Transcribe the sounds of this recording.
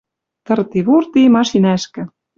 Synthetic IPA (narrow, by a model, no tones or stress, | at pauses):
t̪ɤ̆rt̪iβurt̪imɑʃinæʃkɘ̆